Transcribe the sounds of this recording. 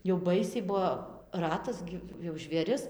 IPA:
jɛʊ ˈbɐɪsʲɛɪ ˈbuɔ ˈrɑːtɐs ɡʲɪ jɛʊ ʒʲʋʲeːˈrʲɪs

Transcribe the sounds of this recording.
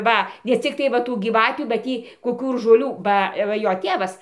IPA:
ˈʋɐ nʲɛ t͡sʲɪkˈtɐɪ ʋɐ ˈtuː ɡʲiːˈʋɑːtʲuː bɐ ˈtʲiː koːˈkʲuː ɪr ʒoːˈlʲuː ˈbɐ ˈʋɐ ˈjoː ˈtʲeːʋɐs

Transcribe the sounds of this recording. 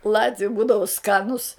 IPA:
ˈlˠɑːtʲʋʲʊ ˈbuːdɐʋʊ ˈskɑːnʊs

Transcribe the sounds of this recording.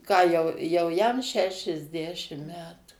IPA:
ˈkɑː jɛʊ ˈjɛʊ ˈjɛm ʃʲɛʃʲɛzʲˈdʲæːʃʲɪm ˈmʲæːtʊ

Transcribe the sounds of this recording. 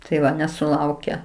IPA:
tɐɪ ˈʋɐ nʲɛsʊˈlˠɐʊkʲɛ

